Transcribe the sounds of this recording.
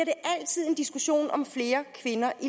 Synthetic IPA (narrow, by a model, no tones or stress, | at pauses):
ɐɾ̥e̝ʔæl̰t͡sʰið̞̰ˠe̝nd̥isɡ̥uɕo̝̰ːnɒ̽mfle̝ːɐkʰʋe̝nɐʔi